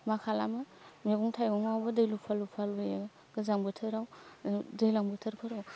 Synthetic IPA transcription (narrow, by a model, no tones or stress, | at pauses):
makʰalamɯ | meɡuŋtʰajɡɔŋawbɐdɯjlupʰalupʰaluje | ɡ̥ɯzaŋbɯtʰɯɾawdɯjlaŋbɯtʰɯɾpʰɯɾaw